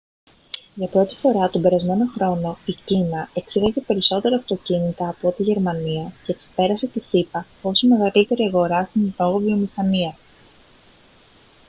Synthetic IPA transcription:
ʝɐpɾo̞t̪i̥fo̞ɾɐt̪o̞be̞ɾɐzme̞no̞xɾo̞no̞icinɐe̞ksiðɐce̞pe̞ɾiso̞t̪e̞ɾɐːft̪o̞cinit̪ɐːpo̞t̪iʝe̞ɾmɐniɐceːksi̥pe̞ɾɐse̞t̪isipɐ | o̞sime̞ɣɐlit̪e̞ɾiɐɣo̞ɾɐst̪ininoɣovio̞mixɐniɐ

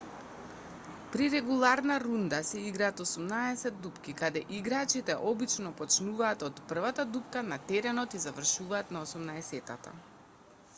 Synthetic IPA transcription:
pɾiɾɛɡulˠaɾnaɾund̪asɛiɡɾaːt̪ɔsumnaɛsɛd̪ːupkikad̪ɛʔiɡɾat͡ʃit̪ɛʔɔbit͡ʃnɔpɔt͡ʃnuvaːt̪ɔt̪pr̩vat̪ad̪upkanat̪ɛɾɛnɔt̪izavr̩ʃuvaːt̪naosumnaɛsɛt̪a̰t̪a̰

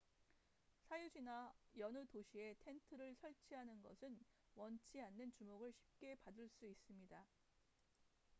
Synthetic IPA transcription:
sʰajud͡ʑinajʌnɯtoɕʰie̞tʰe̞ntʰɯɾɯɭsʰʌɭt͡ɕʰiɦanɯnɡʌsʰɯn | wʌnt͡ɕʰianːɯnt͡ɕumoɡɯɭɕʰi̥p̚k͈e̞padɯɭs͈uis͈ɯmɲida

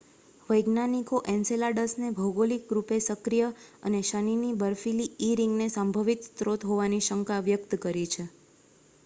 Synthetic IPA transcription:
ʋəjɡnanikoʔɛnselaɖəsnebʱəwɡolikɾupesəkɾijəə̰neʃaninibəɾfiliːɾiŋɡnesãmbʱəʋit̪sɾot̪ɦoʋaniʃəŋkaʋjək̚t̪kəɾit͡ʃʰe

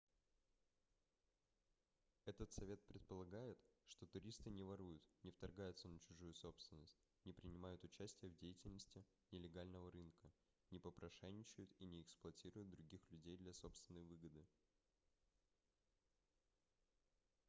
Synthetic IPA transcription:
ɛt̪ət̪sɐvʲe̞t̪̚pɾʲɪt̪̚pəlˠɐɡajɪt̪ʂt̪o̞t̪ʊɾʲist̪ɨnʲɪvɐɾujʊt̪nʲɪft̪ɐrɡajʊt̪sənət͡ɕʊʐujʊso̞pst̪vʲɪnːəsʲtʲ | nʲɪpɾʲɪnʲɪmajʊt̪ʊt͡ɕæsʲtʲɪjəvdʲejɪtʲɪlʲnəsʲtʲɪ | nʲɪlʲɪɡalʲnəvəɾɨnkə | nʲɪpəpɾɐʂɛnʲːɪt͡ɕɪjʊt̪inʲɪɪksplˠʊɐtʲiɾʊjʊd̪̚d̪ɾʊɡʲixlʲʉdʲejd̪lʲɐso̞pst̪vʲɪnːəjvɨɡəd̪ɨ

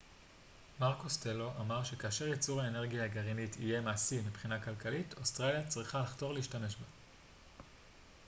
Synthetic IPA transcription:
maʁkostelo̞ʔamaʁʃe̞kaːʃeʁjet͡suʁhaene̞ʁɡijaaɡaʁinitʰije̞maːsimipχinakalkalitostʁaljat͡sʁiχalaχto̞ʁleiʃtame̞ʃba

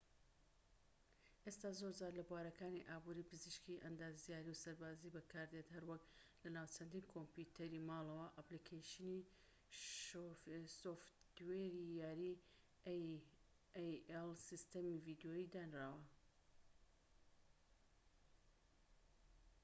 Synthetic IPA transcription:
ʔest̪aːzoɾzaːɾlɐbwaːɾɐkaːniʔaːbuːɾiːpɨziʃkiʔɐnd̪aːzjaːɾiwsɐɾbaːzibɐkʰaːɾd̪et̪hɐɾwɐklɐnaːwt͡ʃʰɐnd̪iːnkʰomput̪ʰɐɾimaːlˠɐwɐʔaplikʰajʃini | soft̪weɾijaːɾi | jɛlˠsist̪ɐmivid̪jojiːd̪aːnraːwɐ

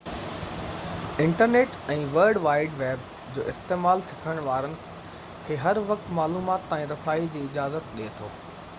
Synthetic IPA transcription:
ɪ̃ɳʈəɾneːʈɛ̃ːʋəɾɖʋaːɪɖʋeːb̚ | d͡ʑoːʔɪst̪eːmaːlsɪ̥kʰəɽ̃ʋaːɾənɪ̆ | kʰeːɦɐɾʋɐk̚t̪maːluːmaːt̪ːãːĩɾɐsaːid͡ʑiːɪd͡ʑaːzət̪̚ɗet̪ʰo̰ː

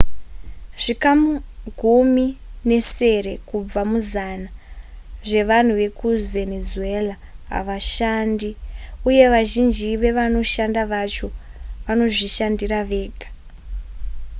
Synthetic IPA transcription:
ʐ̥ikamuɡʱumine̞se̞ɾe̞kub͡vamuzana | ʐe̞ʋan̤uʋe̞kuve̞nezue̞la | ɦa̰ʋaʃandiuje̞ʋaʒind͡ʒiʋe̞ʋano̞ʃandaʋat͡ʃo̞ʋano̞ʐiʃandiraʋe̞ːɡʱḁ

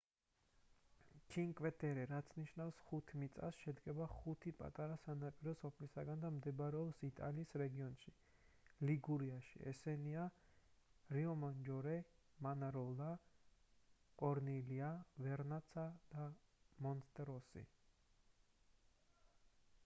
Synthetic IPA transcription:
t͡ʃʰiŋkʼvɛt̪ʼɛɾɛɾat̪sʰniʃnafsχut̪ʰmit̪sʼa̰sʃɛd̪ɡɛbaχut̪ʰipʼa̰t̪ʼaɾasanapʼiɾɔsɔpʰlisaɡand̪amd̪ɛbɾɛɔpsit̪ʼa̰liːsɾɛɡiɔnʃi | liɡuɾiaʃḭɛ̰sɛnia | ɾiɔmand͡ʒɔɾɛ | manaɾɔla | kʼɔɾniliavɛɾnat̪sʰad̪̥amɔnst̪ʼɛɾɔsḭ

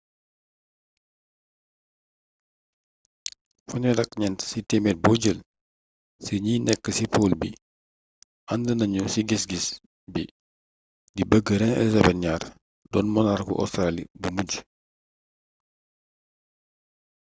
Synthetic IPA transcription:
fɔɲɔdɐkɲɛntsitemɛt̚bɔːɟəl | səɲiːnɛkːəsipoːlbḭ | ʔɐndənɐɲusiɡisɡis | bḭ | dibəɡːəɾɛnɛ̰lizɐbɛnɲaːr | dɔːnmɔnarkṵʔɔ̰stɾaːlḭbumuɟ

